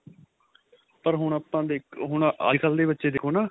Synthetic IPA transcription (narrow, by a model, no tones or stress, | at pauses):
pəɾɦʊɳ̃aːpːãːd̪eːkɦʊɳʔa̰ːkʰəld̪eːbətːʃeːd̪eɪkʰoːnaː